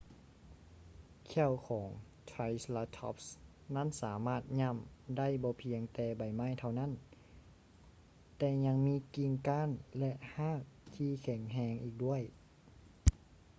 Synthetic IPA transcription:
kʰɛ˧˩əwkʰɔː˩˦ŋ | t̪ʰa˧jslaː˧t̪ʰɔ̰˧˥p̚s | na˥˨nsaː˩˦maː˧˥˩t̪̚ɲa˧˥˨mda˥˨jbɔː˧pʰi˧əŋt̪ɛː˨˧ba˨˩jma˧˥˨jt̪ʰa˧˩wna˥˨n | t̪ɛː˧˩ɲa˧ŋmiː˧˥ki˧ŋkaː˧˥˨nlɛ˧ʔhaː˥˩˨k̚t̪ʰiː˧˩kʰɛ˨˩˦ŋɦɛː˧ŋʔiː˨˩k̚du˥˩əj

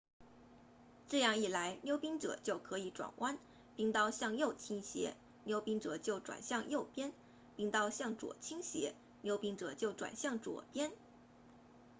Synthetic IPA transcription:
ʈ͡ʂɤ˥˧jɑ˥˧ŋi˥˩la˧˥ɪnjo˥ʊpi˥ŋʈ͡ʂɤ̰˨˩t͡ɕjo˥˩ʊkʰɤ˧˥i˧˥ʈ͡ʂwa̰˨˩nwʔa˥n | pi˥˧ŋt̪ɑ˥˧ʊɕjɑ˥˧ŋjo˥˩ʊt͡ɕʰi˥ŋɕjɛ̰˧˥ | njo˥ʊpi˥ŋʈ͡ʂɤ˨˩t͡ɕjo˥˩ʊʈ͡ʂwa̰˨˩nɕjɑ˥˧ŋjo˥˩ʊpjɛ˥n | pi˥˧ŋt̪ɑ˥˧ʊɕjɑ˥˩ŋʈ͡ʂwɔ̰˨˩t͡ɕʰi˥ŋɕjɛ̰˧˥ | njo˥ʊpi˥ŋʈ͡ʂɤ̰˨˩t͡ɕjo˥˩ʊʈ͡ʂwa̰˨˩nɕjɑ˥˩ŋʈ͡ʂwɔ̰˨˩pjɛ˥n

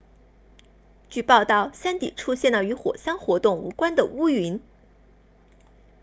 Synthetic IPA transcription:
t͡ɕy˥˧pɑ˥˧ʊt̪ɑ˥˩ʊɕja˥nt̪ḭ˨˩ʈ͡ʂʰu˥ɕjɛ˥˩nlə˩y˧˥xwɔ̰˨˩ɕa˥nxwɔ˧˥t̪ʊ˥˩ŋṵ˧˥kwa˥nd̪ə˨u˥y˧˥n

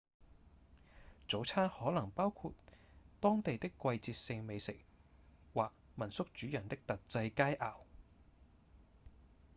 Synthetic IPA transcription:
t͡so˨˥wt͡sʰaː˥nhɔː˨˥lɐ˨˩ŋpaː˥wkʰu˧t̪t̪ɔː˥ŋt̪e˨jt̪ɪ˥kːʷɐ˧jt͡siː˧t̚sɪ˧ŋme˨˧jsɪ˨˩k̚waː˨k̚mɐ˨˩nsʊ˥k̚t͡ʃyː˨˥jɐ˨˩nt̪ɪ˥k̚t̪ɐ˨t̚t͡sɐ˧jkaː˥jʔaː˨˩w

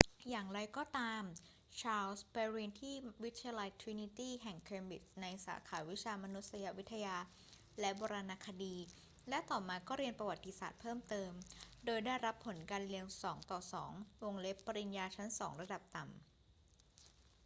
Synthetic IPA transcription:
jaː˨˩ŋɾa˧jkɔː˥˩t̪aː˧m | t͡ɕʰaː˧lsbɛː˧ɾiː˧nt̪ʰiː˥˩wi˦˥t̪ʰːaja˧la˧jt̪ʰwi˧˥ni˦˥t̪iː˥˩ɦɛ˨˩ŋkʰeː˧nbi˨˩t̪̚na˧jsa̰ː˩˦kʰaː˩˦wi˦˥t͡ɕʰaː˧ma˧nu˦˥t̪̚sa˧ja˦˥wi˦˥t̪ʰːa˧jaː˧ | lɛ˦˥bɔː˧ɾaː˧naː˧kʰa˧diː˧ | lɛ˦˥t̪ɔː˨˩maː˧kɔː˥˩ɾi˧ənpɾa˧wa˨˩t̪ːi˦˥sa̰ː˨˩t̪̚pʰɤː˥˩mt̪ɤː˧mdoː˧jdaː˥˩jɾa˦˥pʰːo˩˦nkaː˧nli˧əmsɔː˩˦ŋt̪ɔː˨˩sɔː˩˦ŋwo˧ŋle˦˥pːa˧ɾi˧njaː˧t͡ɕʰa˦˥nsɔː˩˦ŋɾa˧da˨˩p̚t̪a˨˩m

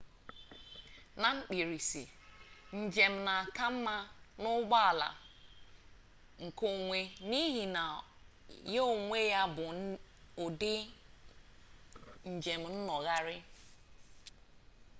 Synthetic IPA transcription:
na˨ŋ͡m̩˦k͡pi˨ɾi˨sḭ˨ | n̩˨d͡ʒe˨m̩˨na˨ka˦m̩˦ma˦nʊ˦ɡ͡ba˦a˨la̰˨ | ŋ̩˨ko˨ŋʷe˦ni˦ɦi˨na˨ | je˦o˨ŋʷe˦ja˦bʊ˨ | ʊ˨dɪ˦ | n̩˨d͡ʒe˨m̩˨n̩˦nɔ˨ɣa˦ɾɪ˦

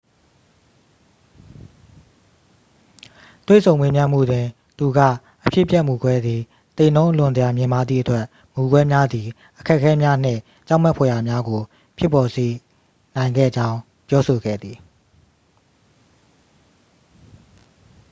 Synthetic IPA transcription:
t̪wḛ˦˨sʰõ˨ʊ̃mwe˦mjã˦m̥ṵ˦˨dwɪ̃˨ | t̪u˨ɡä̰˦˨ | ʔəpʰjɪ̰˦˨pjɛ˦ʔmu˨ɡwɛ˦d̪ði˨ | t̪ẽ˨nõ˦ʊ̃lʊ̃˨nzə˨ja˨mjɪ̃˨ma˦d̪ðḭ˦˨ʔətwɛ˦ʔ | mu˨ɡwɛ˦mja˦d̪i˨ | ʔəkʰɛ˦ʔkʰːɛ˦mja˦n̥ɪ̰̃˦˨ | t͡ɕã˦ʊm̥ɛ˦ʔpʰɔ˨ja˨mja˦ɡo˨ | pʰɪ˦˨pːɔ˨ze˨ | nã˨ɪ̃ŋɡɛ̰˦˨d͡ʑã˦ʊ̃ | pjɔ˦so˨ɡɛ̰˦˨d̪ði˨

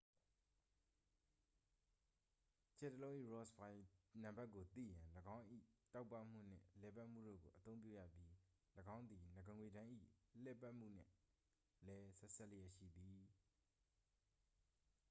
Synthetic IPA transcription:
t͡ɕʰɛ˨təlõ˦ʊ̃ʔḭ˦˨ɹɔ˦˨sbã˨ɪnã˨mba˦ʔkːo˨t̪ḭ˦˨jã˨ləɡã˦ʊ̃ʔḭ˦˨ta˦ʊpːa˦m̥ṵ˦˨n̥ɪ̰̃˦˨lɛ˨pa˦ʔm̥ṵ˦˨do̰˦˨ɡo˨ʔət̪õ˦ʊ̃pjṵ˦˨jä̰˦˨pji˦ | ləɡã˦ʊ̃nd̪i˨nə˨ɡə˨ŋwe˨ɾã˦ʔḭ˦˨lɛ˦˨pa˦ʔm̥ṵ˦˨n̥ɪ̰̃˦˨ | lɛ˦sɛ˦˨sɛ˦ʔlə˦jɛ˦˨ʃḭ˦˨d̪i˨

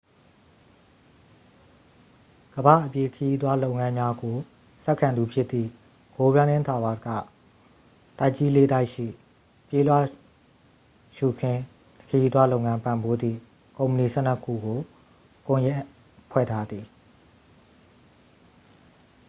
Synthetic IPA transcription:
ɡ̥əba̰˦˨ʔəpje˦˨kʰəji˦t̪̬wa˦lo˦ʊ̃˨ŋã˦mja˦ɡo˨ | sɛ˦ʔkʰːã˨nd̪u˨pʰjɪ˦t̪ːḭ˦˨ | ɡ̥o˨bjã˦nɪ̃˦ntʰa˨wa˦˨ska̰˦˨ | ta˦˨ʔt͡ɕi˦le˦d̪a˦ɪʔʃḭ˦˨ | pje˦˨lwa̰˦˨ | ʃu˨kʰɪ̃˦ | kʰə˨ji˦t̪wa˦lo˦˨ʊ̃˨ŋã˦mpã˨mbo˦d̪ðḭ˦˨ | kõ˨ʊ̃mpə˨ni˨sɛ˦nə˦kʰːṵ˦˨ɡo˨ | kʊ̃˨jɛ˦ | pʰwɛ̰˦˨tʰa˦d̪ði˨

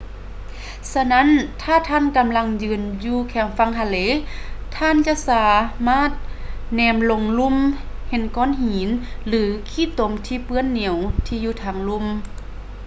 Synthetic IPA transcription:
sa˧na˦˥˨nt̪ʰaː˧˩˨t̪ʰaː˧˥˨nka˨˧˦mla˧˥ŋjɯː˧˨njuː˧kʰɛː˧˩˦ŋfa˧˥˨ŋhʰa˧˩leː˧˥˨t̪ʰaː˧˥˨nt͡ɕa˧˨ʔsaː˨˧˦maː˧˥˨t̪̚nɛː˧˩mlo˧˦ŋlu˧˥˨mhe˧˦nkɔː˧˥˨nɦiː˨˦nlɯː˨˦kʰiː˧˥˨t̪o˨˦mt̪ʰiː˧pɯ˧˨ənːi˨˩ə˦wt̪ʰiː˧juː˧t̪ʰaː˨˩˦ŋlu˧˥˨m

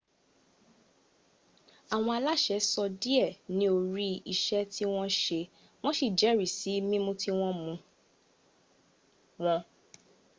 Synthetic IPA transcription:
a˨w̃ɔ̃˧a˧la˦ʃɛ˨˦sɔ˧di˦ɛ˦˨nĩ˦o˧ɾi˦i˧ʃɛ˦ti˦w̃ɔ̃˦ʃe˧ | w̃ɔ̃˦ʃi˦˨d͡ʒɛ˨˦ɾi˨si˨˦mĩ˦mũ˦ti˦w̃ɔ̃˦mũ˧ | w̃ɔ̃˦

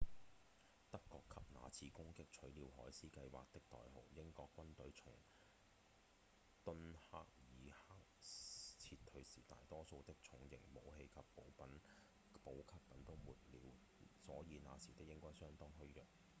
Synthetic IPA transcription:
t̪ɐ˥kːɔː˧kʰɐ˨p̚na̰ː˨˧t͡sʰiː˨˧kʊ˥ŋkɪ˥k̚t͡ʃʰɵ˨˥ɥliː˨˧wɦɔː˨˥jsiː˥kɐ˧jwa̰ː˨k̚t̪ɪ˥k̚t̪ɔ̰ː˨jɦo˨wjɪ˥ŋkɔː˧kːwɐ˥nt̪ɵ˨˥ɥt͡ʃʰʊ̰˨˩ŋ | t̪ɵ˥nha̰ː˥k̚jiː˨˧haː˥k̚t͡sʰi˧tt̪ʰɵ˨˥ɥsiː˨˩t̪a̰ː˨jt̪ɔː˥so˧wt̪ɪ˥k̚t͡ʃʰʊ˨˥ŋjɪ˨˩ŋmo˨˧wɦe˧jkʰɐ˨pːo˨˥wpɐ˨˥n | po˨˥wkʰa˥p̚kɐ˨˥nt̪o˥wmuː˨t̚liː˨˧w | sɔː˨˥jiː˨˧naː˨˧siː˨˩t̪ɪ˥k̚jɪ˥ŋkɔː˥jsœː˥ŋt̪ɔː˥ŋɦɵ˥ɥjœː˨˩k̚

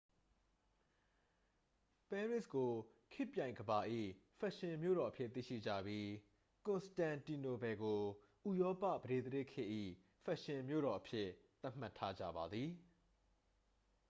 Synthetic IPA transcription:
pɛ˦ɹɪ˦ʔsko˨kʰɪ˦ʔpjã˨ɪ̃ŋɡəba˨ʔḭ˦˨fɛ˦ʔʃɪ̃˨mjo̰˦˨ɾɔ˨ʔəpʰjɪ˦ʔt̪ḭ˦˨ʃḭ˦˨d͡ʑä̰˦˨bji˦ | kʊ̃˨nstã˨nti˨no˨bɛ˨ɡo˨ | ʔu˨jɔ˦pä̰˦˨bəɾe˦˨d̪ə˦ɪ˦˨kʰɪ̰̃˦ʔḭ˦˨ | fʰɛ˦˨ʔʃɪ̃˨mjo̰˦˨ɾɔ˨ʔəpʰjɪ˦t̪a˦m̥a˦tʰːa˦d͡ʑä̰˦˨ba˨d̪ði˨

